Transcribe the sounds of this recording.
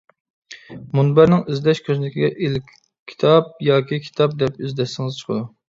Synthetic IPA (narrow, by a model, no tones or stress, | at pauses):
munbæɾnɪŋyzd̪ɛʃkʲʰøzɪnɪkʲʰiɡʲɛʔilkʲ | kʲʰːi̥t̪ʰɑp̚jɑːkʲikʲʰi̥t̪ʰɑp̚d̪ɛp̚yzd̪ɛʃsɪŋɨzt͡ʃʰə̥qʰəd̪u